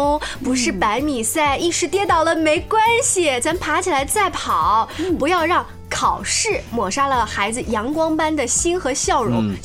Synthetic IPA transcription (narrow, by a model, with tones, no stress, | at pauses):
ʊ˥ŋpu˧˥ʂɻ̩˥˩pa˧˥ɪmi˨˩sa˥˧˩ɪi˥˩ʂɻ̩˧˥t̪jɛ˥t̪ɑ˥˩ʊlə˩me˧˥ɪkwa˥nɕi˨˩t͡sʰa˧˥mpʰa˧˥t͡ɕʰi˨˩la˧˥ɪt͡sa˥˩ɪpʰɑ˨˩˦ʊpu˧˥jɑ˥˧ʊɻɑ˥˩ŋ | kʰɑ˨˩ʊʂɻ̩˥˩mwɔ˨˩ʂa˥lə˨xa˧˥ɪd͡zɹ̩˧jɑ˧˥ŋkwɑ˥ŋpa˥nd̪ə˨ɕi˥nxɤ˧˥ɕjɑ˥˩ʊɻʊ̰˧˥ŋ